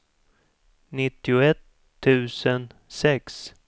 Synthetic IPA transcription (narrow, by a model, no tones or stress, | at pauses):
nɪt̪ːɪʊɛt̪ʰː | ʉ̟ːsənsɛks